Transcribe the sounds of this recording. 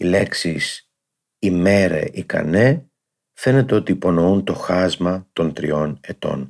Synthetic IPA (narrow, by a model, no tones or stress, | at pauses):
ile̞ksis | ime̞ɾḛʔikɐ̰ne | fe̞ne̞t̪e̞o̞t̪iːpo̞no̞unt̪o̞xɐzmɐt̪o̞nt̪ɾḭo̞ne̞t̪o̞̰n